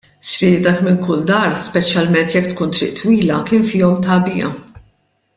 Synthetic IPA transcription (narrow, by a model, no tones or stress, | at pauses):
sɾɪːd̪ɐkmɪŋkʊld̪ɐɾspɛt͡ʃjɐlmɛnt̪jɛkːt̪kuːnt̪ɾɪ̰ʔt̪wiːlɐkɪːnfɪːɔmt̪ɐbɪjɐ̰